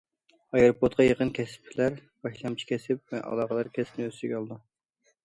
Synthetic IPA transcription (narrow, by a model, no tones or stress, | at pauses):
ɑjeɾopʰot̪̚qʰɑjəqənkʲʰɛsɪ̥p̚ʰːɪlæɾb̥ɑʃlˠɑmt͡ʃʰi̥kʲʰɛsɪp̚vɛʔɑ̰lˠɑʁəlˠɑɾkʲʰɛsɪ̥pnɪøst̪ɪɡʲɑlˠd̪u